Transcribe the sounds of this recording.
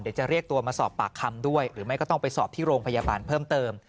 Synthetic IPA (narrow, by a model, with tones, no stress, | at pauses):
ndi˩˦t͡ɕa˨˩ɾi˥˩ək̚t̪u˧ɐmaː˧sɔː˨˩pːaː˨˩kʰːa˧mdu˥˩əjɾɯː˩˦ma˥˩jkɔ˥˩t̪ɔ˥˩ŋ˩pa˧jsɔː˨˩p̚t̪ʰiː˥˩ɾoː˧ŋpʰa˧jaː˧baː˧npʰɤː˥˩mt̪ɤː˧m